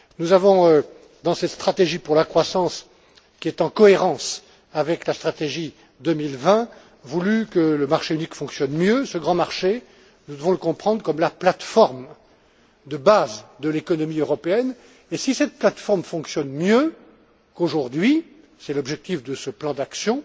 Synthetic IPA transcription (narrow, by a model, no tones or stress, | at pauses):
nuzavɔ̃ø | d̪ɑ̃sɛt̪st̪χat̪eʒipuʁlakχwasɑ̃s | kʲiɛt̪ɑ̃kɔeʁɑ̃s | avɛklast̪χat̪eʒi | d̪əmilvɛ̃ | vulykələmaʁʃeynikfɔ̃ksjɔnmjøsəɡʁɑ̃maʁʃe | nud̪əvɔ̃ləkɔ̃pχɑ̃d̪ʁkɔmlaplat̪fɔʁm | d̪əbazd̪əlekɔnɔmiøʁɔpeɛn | esisɛt̪̚plat̪fɔʁmfɔ̃ksjɔnmjø | koʒuʁd̪ɥi | sɛlɔbʒɛk̚t̪ifd̪əsəplɑ̃d̪aksjɔ̃